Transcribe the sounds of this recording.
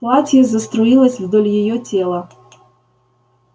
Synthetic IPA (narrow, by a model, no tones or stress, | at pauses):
plˠatʲjɛzɐst̪ɾoilˠɐsʲvd̪olʲjɪjotʲelˠɐ